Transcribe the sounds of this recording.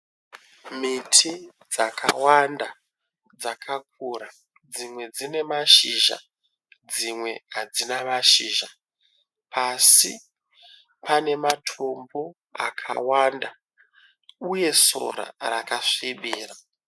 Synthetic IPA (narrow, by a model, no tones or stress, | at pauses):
mitʰi | d͡zaka̰wanda | d͡zakʰak̚uɾa | d͡zimwe̞d͡zine̞maʃiʒa̰ | d͡zimwe̞ɦad͡zinamaʃiːʒa | pʰasi | pʰane̞matʰo̞mbo | a̰kʰa̰wanda | uje̞so̞̰ɾa̰rakaʂiɓiːra